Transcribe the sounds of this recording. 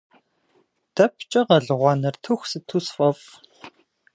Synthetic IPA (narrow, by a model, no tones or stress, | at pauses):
d̥ɐpʰt͡ʃʼɐʁɐɮɨʁʷɑːnɐrtʰuxʷsɨtʰuːsfʼɐf